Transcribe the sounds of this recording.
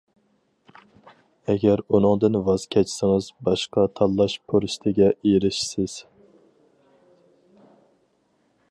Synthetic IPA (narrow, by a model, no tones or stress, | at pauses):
ɛɡʲæɾunɨŋd̪ɨnvɑz̥kʲʰɛt͡ʃʰsɨŋɨzbɑʃqɑt̪ʰɑlˠːɑʃpʰoɾɪʃt̪ʰɪɡʲɛʔiɾɪʃsɪz̥